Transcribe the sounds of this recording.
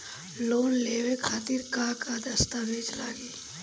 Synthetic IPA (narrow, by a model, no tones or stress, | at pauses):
loːnleːwekʰaːt̪iːɾkaːkad̪ɐst̪abʱeːd͡ʒlaːɡiː